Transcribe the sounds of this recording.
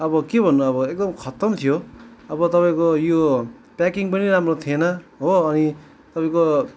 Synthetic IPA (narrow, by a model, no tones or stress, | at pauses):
ʌbʌkebʱʌnːuʌβʌek̚d̪ʌmkʰʌt̪ʌmt̪ʰijoʌbʌt̪ʌpaĩkojo | pakiŋpʌniɾamrot̪ʰienʌɦoːni | t̪ʌpaĩko